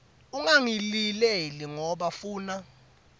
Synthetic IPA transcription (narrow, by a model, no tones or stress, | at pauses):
uŋaŋilileliŋɔɓafuːna